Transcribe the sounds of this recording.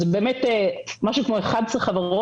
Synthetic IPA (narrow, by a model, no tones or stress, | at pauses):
zebeːmetemaʃukmoeχad̪sleχavaʁo